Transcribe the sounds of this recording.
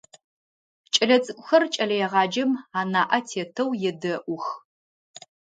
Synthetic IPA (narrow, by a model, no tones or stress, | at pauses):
t͡ʃʼɐɮɐt͡sʼɨkʷʼʊxɐrt͡ʃʼɐɮɐjɛʁɑːd͡ʒɐmaːnaːʔɐtʰeːtʰɐwjɛdɐʔʷʊx